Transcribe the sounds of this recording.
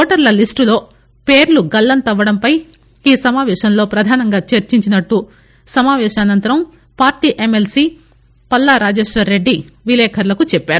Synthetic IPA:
ɔːʈɐɾlɐlisʈulo̞ː | peːɾluɡɐlːɐnt̪ɐʋːɐɽɐmpɐj | iːsɐmaːʋɛːʃɐmlo̞ːpɾɐd̪ʱaːnɐŋɡaːt͡ʃɐɾt͡ʃiɲt͡ʃinɐʈːu | sɐmaːʋɛːʃɐɐnɐnt̪ɐɾɐm | paːɾʈiːʔe̞melsiː | pɐlːaːɾaːd͡ʒeːʃʋɐɾːe̞ɖːiʋilɛːkʰɐɾlɐkut͡ʃɛpːaːɾu

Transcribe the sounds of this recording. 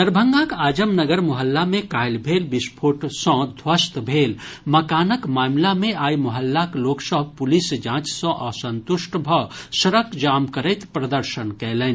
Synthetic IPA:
d̪əɾbʱə̃ŋɡãkaːd͡ʒəmnɐɡəɾmʊɦəlːamẽkaːjlbʱeːlbɪspʰoːʈsɔ̃d̪ʱwəst̪bʱeːlmɐkaːnəkmaːmlamẽaːjmʊɦəlːakloːksəbpʊlisd͡ʒãːt͡ʃsɔ̃ʔɐsɐ̃nt̪ʊʃʈbʱɐsɐɾəkd͡ʒaːmkəɾəɪt̪pɾɐd̪əɾʃənkɛːlən

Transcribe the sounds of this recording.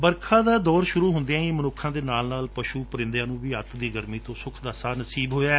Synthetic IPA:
bəɾkʰãːd̪aːd̪ɔːɾʃʊɾuːɦʊnd̪eãːiːmənʊkʰːãːd̪eːnaːlnaːlpəʃuːpəɾɪ̃nd̪jãːnũːʋiːɦət̪d̪iːɡəɾmiːt̪õːsʊkʰd̪aːsaːnəsiːbɦoːjaːɛː

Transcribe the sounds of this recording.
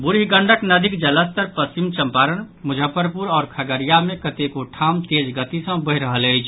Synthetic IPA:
bʊɾiɡə̃ɳɖʱəknəd̪ʱikd͡ʒələst̪əɾpəst͡ʃimt͡ʃəmpaːɾən | mʊd͡ʒʱəpəɾpuɾɔːɾkʰəɡəɾijamẽkət̪ekoʈʰaːmt̪eːd͡ʒɡət̪isə̃bəɦɾəɦələit͡ʃʰ

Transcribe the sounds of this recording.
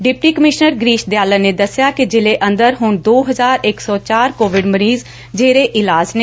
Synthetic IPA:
ɖɪp̚ʈiːkəmɪʃnəɾɡɾiːʃd̪ejaːləneːd̪əsjaːkɪd͡ʒɪleːʔə̃nd̪əɾɦʊɳd̪oːɦəzaːɾɪksɔːt͡ʃaːɾkoːʋɪɖməɾiːz | d͡ʒeːɾeːʔɪlaːd͡ʒne

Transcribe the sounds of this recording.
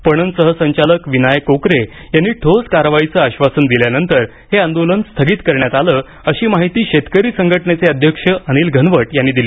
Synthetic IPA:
pəɳ̃ənsəɦəsəɲt͡ɕaləkʋinajkokɾe | janːiːʈʰod͡zkaɾʋajit͡səaɕʋasənd̪iljanənt̪əɾ | ɦeãnd̪olənst̪ʰəɡiːt̪kəɾɳjat̪aləː | əɕiːmaɦit̪iːɕet̪kəɾiːsəŋɡʱəʈəɳet͡seəd̪ʱjəkʂəʔəñiːlɡʱənʋəʈjanːiːd̪ili

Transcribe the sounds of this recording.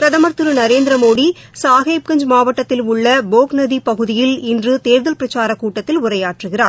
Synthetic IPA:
pɾɐðɐmɐɾt̪ɯɾɯnɐɾeːnd̪ɪɾɐmoːɽi | saːɣeːp̚kɐɲd͡ʒmaːʋɐʈːɐt̪ːɪlʊɭːɐboːknɐðipɐɣɯðɪjɪlɪndrɯt̪eːʋɪðɐlpɪɾɐt͡ʃaːɾɐkːuːʈːɐt̪ːɪlʊrɐjaːʈrɯɣɪraːɾ

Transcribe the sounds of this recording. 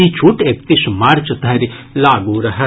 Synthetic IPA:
it͡ʃʰuʈeːk̚t̪ismaːɾt͡ʃət̪ɐɾilaːɡuɾɐɦɛ

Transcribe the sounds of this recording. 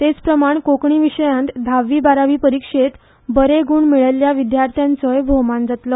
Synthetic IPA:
t̪et͡spɾəmaɳkokɳiːʋiʂəjãnt̪d̪ʱaʋːiːbaɾaʋiːpəɾikʂet̪ | bəɾeɡuːɳmiɭəljaʋid̪jaɾt̪ʰjãnt͡səjbʱomãnd͡zat̪lɔ

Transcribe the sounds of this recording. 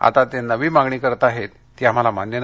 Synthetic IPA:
a̰t̪at̪enəʋiːmaŋɡɳiːkəɾət̪aɦet̪ː | iːam̤alamanjən

